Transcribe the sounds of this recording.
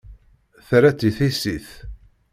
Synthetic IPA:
θɾæt͡siθisiθ

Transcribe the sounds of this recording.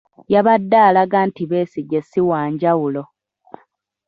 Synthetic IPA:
jaβadːaːlaɡaːntiβe̞ːsiɡesiwaːɲɟawulo̞

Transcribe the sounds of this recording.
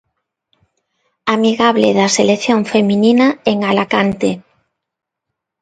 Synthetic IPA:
amiɣaβlḛðaselekθjoŋfemininaeŋalakant̪e

